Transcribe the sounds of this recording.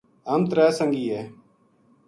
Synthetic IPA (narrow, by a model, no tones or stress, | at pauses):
əmt̪ɾaːsəŋɡiːɦeː